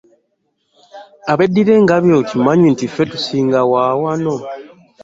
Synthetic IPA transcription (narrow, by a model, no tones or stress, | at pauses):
aβedːiɾe̞ŋɡaβjotimaɲwintifetu̥siːŋɡawaːwano̞